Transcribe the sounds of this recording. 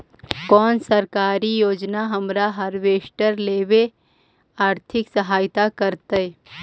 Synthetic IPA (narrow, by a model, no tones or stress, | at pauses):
kɔːnsɐɾkaːɾijoːd͡ʒnaɦɐmɾaɦɐɾʋeːʃʈəɾleːʋe | aːɾt̪ʰɪksəɦaːjt̪akɐɾt̪əe